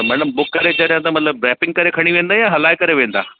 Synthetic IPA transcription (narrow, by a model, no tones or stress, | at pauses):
t̪ɐmɐ̃ɽəmbʊkːɐɾed͡ʑɐɗjãt̪amɐt̪ləb̚ɾɛːpɪ̃ŋɡ̚kɐɾekʰɐɽ̃iʋẽːnd̪aːijãɦɐlaːɪkɐɾeʋẽːnd̪a̰ː